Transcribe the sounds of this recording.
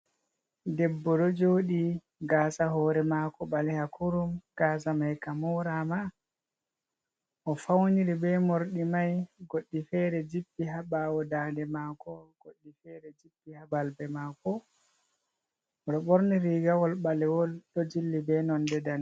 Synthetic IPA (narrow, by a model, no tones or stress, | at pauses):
dɛbːɔɗɔd͡ʒoːɗi | ɡaːsaɦɔːɾɛmakɔɓalɛhakuɾumɡ̥aːs̬amajkamɔɾama | ʔɔfawniɾibɛmoɾɗimajɡoɗːifɛːɾɛd͡ʒibːiɦaɓawɔdaːndɛmakɔɡ̥oɗːifɛɾɛd͡ʒibːihabalbɛmaːkɔ | ɔɗɔɓɔɾniɾiːɡawɔlɓalɛwɔlɗɔd͡ʒilːibɛnɔndɛdan